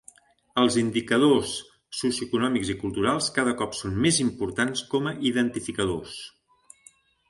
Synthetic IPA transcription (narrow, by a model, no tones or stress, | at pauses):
əlˠzind̪ikəð̞osː | usjuəkunɔmiɡzikulˠt̪uɾalˠskaðəkɔpsonmezimpuɾt̪anskɔməʔiðənt̪ifikəðos